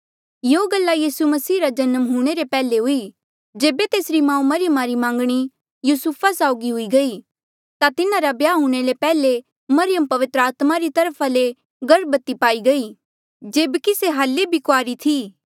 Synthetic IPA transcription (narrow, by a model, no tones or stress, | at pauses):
joːɡɐlːajiːsumɐsiːɾad͡ʒɐnəmɦuːɽ̃eɾepɛːleɦʊi | d͡ʒeːbet̪eːsɾimãːũmɐɾɪjəmaɾimãːŋɡɽ̃i | juːsupʰasaːʊɡiɦʊiɡɐi | t̪at̪ɪnaɾabjaːɦuɽ̃elepɛːle | mɐɾɪjəmpɐʋɪt̪ɾəaːt̪maɾit̪ɐɾpʰale | ɡɐɽbɐt̪ːipaːiɡɐi | d͡ʒeːbkiseɦaːlːebʱikoaːɾit̪ʰiː